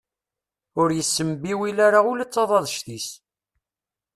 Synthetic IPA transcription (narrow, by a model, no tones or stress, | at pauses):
ʊɾjəsːəmbiwilaɾaʊlæt͡sːɑðˤɑðˤʃt̪is